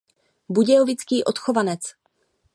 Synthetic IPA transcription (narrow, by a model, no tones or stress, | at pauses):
buɟɛovɪt͡skiːʔot̪xo̞vanɛt͡s